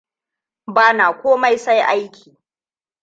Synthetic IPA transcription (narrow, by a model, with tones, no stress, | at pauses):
baː˦naː˨kʷoː˦ma˦jsa˦jʔa˦jkʲiː˨